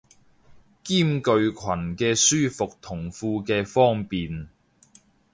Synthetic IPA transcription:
kiː˥˩mkɵ˧ɥkʰɐ˨˩nkɛː˧syː˥fʊ˨k̚t̪ʰʊ˨˩ŋfuː˧kɛː˧fɔː˥ŋpiː˨n

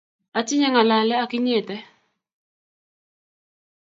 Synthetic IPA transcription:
a˨t͡ʃɪ˦ɲa˦ŋa˨la˨lɛ˦a˨kɪ˦ɲe˦˨tɛ˦

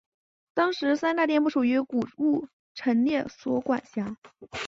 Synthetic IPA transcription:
t̪ɑ˥ŋʂɻ̩˧˥sa˥nt̪a˥˧t̪jnpu˥˩ʂu˨˩y˧˥ku˨˩u˥˩ | ʈ͡ʂʰə˧˥nljɛ˥˩swɔ˥kwa˨˩nɕja˥

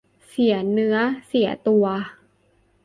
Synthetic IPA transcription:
si˩˦ɐnɯ˦˥ɐsi˩˦ɐt̪u˧ɐ

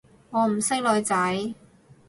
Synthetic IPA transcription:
ŋɔː˨˧m̩˨˩sɪ˥k̚lɔː˨˧jt͡sɐ˨˥j

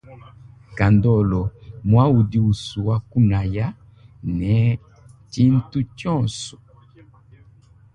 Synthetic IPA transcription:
ka˨ndɔ˦˨lɔ˨mwa˦u˨di˦u˨su˨wa˦ku˦na˨ja˦ | nɛ˨˦ | ti˦n̩˦tu˦tjɔ̃˦˨sɔ̥˨

